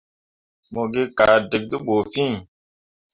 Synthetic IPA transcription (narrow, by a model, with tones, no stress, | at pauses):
mo˨ɡe˦ka˨de˨k̚ɗi˦ɓo˨fĩ˦